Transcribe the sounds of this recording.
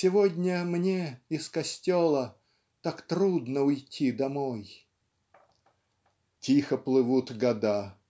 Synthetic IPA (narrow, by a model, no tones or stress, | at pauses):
sʲɪvodʲnʲəmnʲeɪskɐsʲtʲolˠə | t̪akt̪ɾud̪nəʊjtʲʰid̪ɐmoj | tʲixəplˠɨvut̪ɡɐd̪a